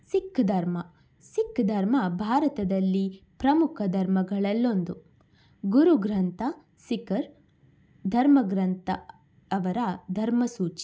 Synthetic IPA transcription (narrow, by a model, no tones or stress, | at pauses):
sikʰːɐd̪ʱɐɾmɐ | sikʰːɐd̪ʱɐɾmɐbʱaːɾɐt̪ɐd̪ɐlːipɾɐmukʰɐd̪ʱɐɾmɐɡɐɭɐlːo̞nd̪u | ɡuɾuɡɾɐnt̪ʰɐ | sikɐɾ | d̪ʱɐɾmɐɡɾɐnt̪ɐ̰ | ɐʋɐɾɐd̪ʱɐɾmɐsuːt͡ʃi̥